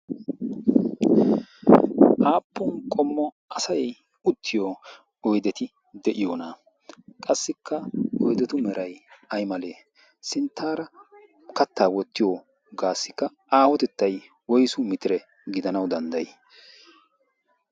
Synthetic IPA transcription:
ʔaːpːʊnkʼɔmːɔ | ɐsɐj | ʊt̪ʰːɪjo | ɔjd̪ɛt̪ɪ | d̪ɛʔɪjona | kʼɐsːɪkʰːɐɔjd̪ɛt̪ʊmɛɾɐjɐjmɐleː | sɪnt̪ːaːɾɐ | kɐt̪ːaːwɔt̪ːɪjo | ɡaːsːɪkːɐ | aːhɔt̪ɛt̪ːɐj | wɔjsʊmɪt̪ɪɾɛ | ɡɪd̪ɐnɐwd̪ɐnd̪ɐj

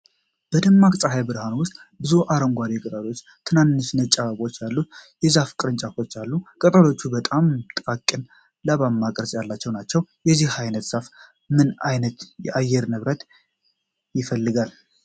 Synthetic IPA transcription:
b̥əd̪ɨmːakʼsʼaɦajbɨɾhanwʊst̪ʼ | bɨzuʔaɾəŋɡʷaɾikʼət̪ʼalo̞t͡ʃː | t̪ʰɨnanːɨʃnət͡ʃʼːaβaβo̞t͡ʃːjalːujɛzafkʼɨɾɨnt͡ʃʼafo̞t͡ʃːalːukʼət̪ʼalo̞t͡ʃːubət̪ʼamt̪ʼakʼːɨn | laβammakʼɾəsʼjalːat͡ʃːɛwnat͡ʃːɛwjɛzihhajnət̪z̥af | mɨnajnət̪jɛʔajːɛɾnɨβɾət̪ | jɪfəlːɨɡal

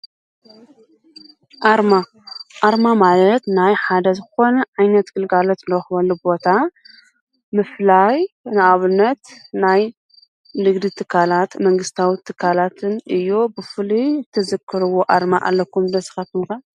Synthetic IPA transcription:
ʔaɾma | ʔaɾmamalɐt̪najħad̪ɐzɨxo̞nɐʕajnɐt̪ɡ̥ɨlɡalot̪ɨnd̪ɐxβɐlːubo̞t̪ʰa | mɨflajnɨʔaβɨnːɐt̪naj | nɨɡd̪it̪ʰɨkʰːalat̪mɐŋɡɨst̪ʰawit̪ʰɨkʰːalat̪ʰɨnʔɨjːobɨfɨlit̪ʰɐzɨkʰːɨɾɨwoʔaɾmaʔa̰lːɐkʰːumd̪ɐsɨ̥xat̪umka

